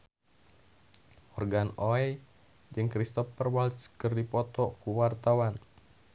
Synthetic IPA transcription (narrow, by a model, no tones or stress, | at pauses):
hɔrɡanoɛ | d͡ʒɨŋkɾist̪ɔfərwalt̪skɨrdipɔt̪ɔkuwart̪awan